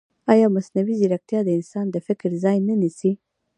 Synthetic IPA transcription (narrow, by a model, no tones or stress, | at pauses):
ɑjɑmasnawiziɾak̚t̪jɑd̪əɪnsɑnd̪əfɪkɾzɑjnənisi